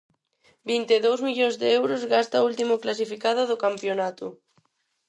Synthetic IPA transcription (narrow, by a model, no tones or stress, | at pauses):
bint̪eðowzmiʎõnzðeɛwɾʊzɣast̪ault̪imoklas̬ifikað̞ʊðokampjonat̪ʊ